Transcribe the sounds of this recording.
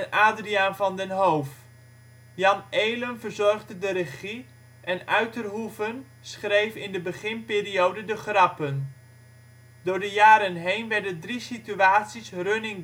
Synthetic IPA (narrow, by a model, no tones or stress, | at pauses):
nʔaːdriaːnvɑndənɦowf | jɑnejlənvərzɔrχdədəɾəχi | ʔɛnœɥtərɦuvən | sχrejfɪndəbəχɪnpɪːriowdədəχrɑpən | dʊːɹdəjaːɾənɦejnʋɛɹdəndrisityaːtsisrønɪŋ